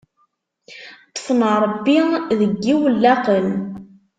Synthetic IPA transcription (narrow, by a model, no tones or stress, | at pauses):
t̪ˤːə̥fnɾˤəbːiðəɡːiwəlːæqəl